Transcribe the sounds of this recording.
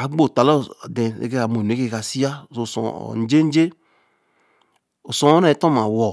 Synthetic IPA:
a˨˦ɡ͡bo˦˨ta˨lɔ˦˨de˨ḛ˨ke˦ka˨mo˨n˨e˦ke˦ka˨si˦a˦˨so˨sɔ̰˨n˦d͡ʒe˦n̩˦d͡ʒe˦ | o˨sɔ̃˨ɔ˦a˨i˦tɔ˦ma˨wɔ˨

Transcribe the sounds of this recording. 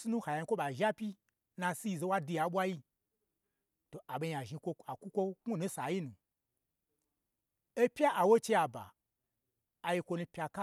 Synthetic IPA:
si˦nũ˦ha˨ja˨˧i˧kʷo˦ɓa˨ʒa˦pʲi˦ | nã˧si˦ji˧˨ze˧˦wa˦du˧ja˨˦ɓʷa˦ji˦ | to˨ʔa˨ɓe˧ɲ˨a˨ʒi˧kʷo˧a˨kʷu˦kʷo˦ku˦nũ˦sa˨ji˦nũ˨ | e˦pʲja˦ʔa˨wo˦t͡ʃe˧ja˨ba̰˨ | je˧kʷo˧nu˧pʲa˧ka˦

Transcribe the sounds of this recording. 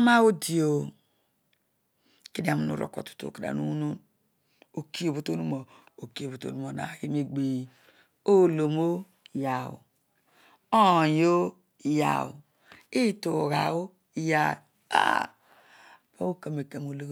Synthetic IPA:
ma˦wu˦di˨o˨ | ki˦di˨a˨mu˨nṵ˨ɾo̰˨ko̰˨tu̥˨to̰˨ki˨a̰˨nṵ˦nu˦n | o˨ki˦o˨βo˦to˦nu˦mo˨o˨ki˦o˨βo˨to̰˦˨nu˦mo˨na̰˨hi˦me˦ɡ͡bi˨ | o˦lo˨mo˦ | ja˨wṵ˨ | o˦˨jo˦˨ | ja̰˨ | i˦to˨ɣa̰˨o˦ | ja˨ | a̰˦ | ba˦o˦ka˨me˨ka˨mo˨lo˦

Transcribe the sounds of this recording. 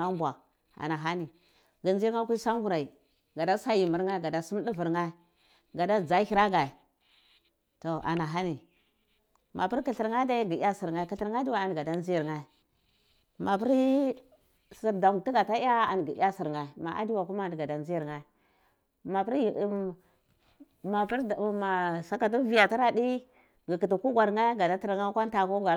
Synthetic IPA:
a˦m˦bwa˨ | a̰˨na˨ɦa˦ni˨ | ɡa˨nd͡ʒa˦kʷu˦sa˦ŋ˦ɡu˦ɾa˨i˨ | ɡa˨da˦sa˦ji˨mu˨ɾŋa˦ɡa˨da˦su˦m˦di˦vi˨ɾŋa˦ | ɡa˨da˦d͡za˦hi˦ɾa˦ɡa˨i˨ | to˨ʔa̰˨na˨ɦa˦ni˨ | mʔa˨pi˦ɾki˦˨ɬi˨ɾŋa˦da˦ɡi˨˦a˦si˨ɾŋa˦ki˨ɬi˨ɾŋa˦di˦wa˨a˨n˨ɡa˨da˦nd͡ʒi˦ji˨ɾŋa˦˨ | ma˨p̬i˦ɾ | si˨ɾda˨m˨ti˦ɡa˨ta˦a˦a̰˨n˨ɡi˨˦a˦si˨ɾŋa˨ma̰˨ʔa̰˦di˦wa˨ku˦ma˦˨dɡa˨da˨nzi˦ji˨ɾŋa˦ | ma˨pi˦ɾ | ma˨pi˦ɾma˨sa˦ka˨t̬u˦vi˦ja˨ti˦ɾa˦di˦ | ɡi˨ki˨tu˨ku˦ɡʷa˨ɾŋa˦ɡa˨da˦ti˦ɾŋa˦kʷa˦n˦ta˨ku˦ɡʷa˨

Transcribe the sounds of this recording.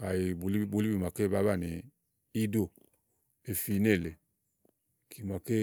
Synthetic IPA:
ka˨ji˨blbo˨li˦bi˨ma˨ke˦ba˦βa˦˨ni˨ | i˦do˦˨ | e˨fi˨˦ne˦˨le˨ | kʰi˨ma˨ke˦

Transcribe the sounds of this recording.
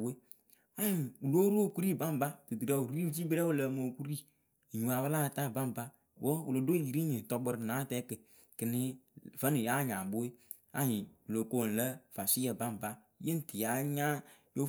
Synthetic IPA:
we˦ | a˦ɲi˨u˨lo˦ɾo˦˨ku˦ɾi˦˨ba˦m˨ba˦tɨ˨dɨ˨ɾa˨wu˨ɾi˦d͡ʒi˦bɨ˦ɾɛ˦wu˦˨lə˨mo˨ku˦ɾi˦˨ | ɲu˨a˨wə˦la˦˨ta˦˨ba˦m˨ba˦ | wə˦wu˨lo˨do˦˨ji˨ɾi˦ɲi˨tɔ˨bɨ˨ɾnaː˨˦tɛ˦kɨ˨ | kɨ˨nɪ˦və˦nu˨ja˦˨ɲa˨bo˦e˦ | a˦ɲi˨wu˨lo˨ko˦˨n̩˨lə˦fa˨si˦ə˨ba˦m˨ba˦ | ji˦n˦˨ti˨ja˨˦ɲa˦ | jo˦

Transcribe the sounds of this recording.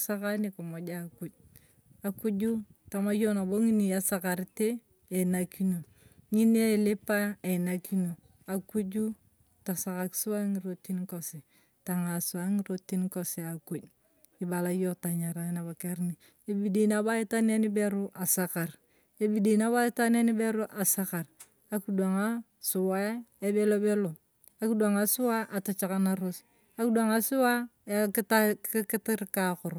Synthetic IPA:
sa˦ka˦ni˦ko˨mo˨d͡ʒa˦ku˨d͡ʒ | a˨ku˦ɟu˦ta˨ma˦jo˦na˨bo˦ŋi˦ni˨a˨saka˨ɾte˦ | e˨naki˦no˨ | ŋi˦n˦e˦lɪ˦pa˦e˨naki˦no˨ | a˨ku˦d͡ʒu˦ | ta˨sa˨ka˨ksu˦a˦ŋi˨ɾo˦ti˦nko˨si˨ | ta˨ŋa˨sʊ˨a˦ŋi˦ɾoti˦nko˦si˨a˨ku˨ɟ | i˨ba˨la˨˦jo˦ta˨ɲa˨ɾa˨˦na˨ba˨ke˦ɾni˨ | e˦bi˦di˨na˦ba˦i˦ta˦ni˦a˦ni˦be˦ɾu˦ʔa˨sa˦ka˨r | e˦bi˦di˨na˦ba˦i˦ta˦n˦a˦ni˦be˦ɾo˦ʔa˨sa˦ka˨r | a˦ku˦da˨ŋa˦ | su˨wa˦e˦be˦lo˦be˦lo˨ | a˦ki˦da˨ŋa˨su˦wa˦ʔa˨ta˨t͡ʃa˨ka˨na˨ɾo˦s | a˨ku˦dwa˨ŋa˨su˦wa˦ta˦kɪ˦tɪ˦ɾka˨kʊ˨ɾ

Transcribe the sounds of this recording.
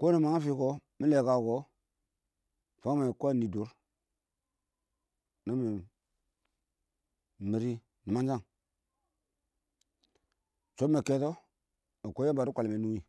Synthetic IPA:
ko˦ni˨ma˨ŋa˦fi˦ko˦ | mi˦le˨ka˨ɡo˨ | fa˦me˨ko˦˨ni˨du˨˦ɾ | na˦mi˨ | mi˨ɾi˦ | ni˨ma˦nd͡ʒa˦˨ŋ | t͡ʃo˦me˨ke˦to˦ | a˨ko˦e˦ba˨ɾu˦kʷa˨lme˨nu˦i˨

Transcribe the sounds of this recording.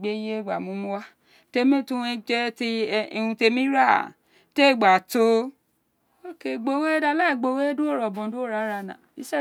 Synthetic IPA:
ɡ͡be˦je˦˨ɡ͡ba˨mũ˨˦mũ˧˦wa˦ | te˧mĩ˦tũ˦e˧d͡ʒɛ˦ti˧i˧ũ˧te˧mĩ˦ɾa˦˨ | te˦˨ɡ͡ba˨to˧ | o˦ke˧˨ɡ͡bo˧we˦da˧la˦i˨ɡ͡bo˧we˦du˦o˦˨ɾɔ˨bɔ̃˨du˦o˦ɾa˨˦ɾa˧˨nã̰˨i˦ʃɛ˦˨

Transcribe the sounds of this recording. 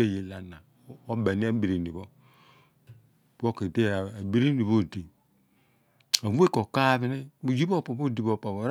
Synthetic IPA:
e˦˨je˨la˨na˨˦ | o˦bɛ˨ni˦a˦bi˨ɾi˨ni˨βo˦ | bo˦ke˨de˦˨a˨bi˦ɾi˦ni˨βo˦˨di˨ | a˨vu˦e˦ko˨ka˦βi˨ni˦o˨d͡ʒi˦bo˦˨po˨bo˦˨di˨βo˨pa˨βo˨ɾ

